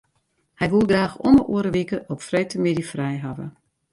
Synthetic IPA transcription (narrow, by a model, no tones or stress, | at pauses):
hɛjʋulˠɡraːxonəʔṵəɾəʋikəʔɔpfrejtəmɪdifrɛjɦavə̰